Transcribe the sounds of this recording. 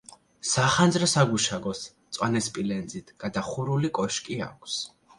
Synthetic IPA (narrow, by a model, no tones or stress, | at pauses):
saχand̪zɾɔsaɡuʃaɡɔst̪sʼwanɛspʼilɛnd̪zit̪ʰɡ̥ad̪aχuɾulikʼɔʃkʼia̰kʷʰs